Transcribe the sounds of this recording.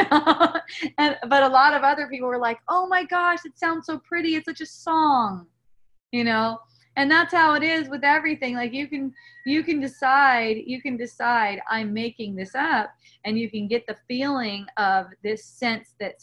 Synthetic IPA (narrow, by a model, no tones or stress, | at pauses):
ɨ̃nbʌɾəlɔɾʌvʌðə˞pipl̩ˠwə˞laɪkoʊmaɪɡɑʃɨtsãʊ̃ndz̥soʊpʰɹ̥ɪɾiɨtsʌt͡ʃɨsɔ̃ŋ | jɨnoʊ | ɨ̃nðət̚haʊɨɾɪzwɨðɛvɹiθɪ̃ŋlaɪkjɨkɨ̃njɨkɨ̃ndɨsaɪdjɨkɨ̃ndɨsaɪɾã̰ɪ̃mːeɪkɪ̃ŋðɪsʌp̚ | ɨ̃njɨkɨ̃nɡɛt̪̚ðɨfilˠɪ̃ŋʌvðɪsɛ̃nsðɨts